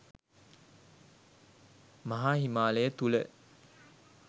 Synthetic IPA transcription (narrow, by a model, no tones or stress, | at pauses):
maɦaːhimaːləjət̪ulə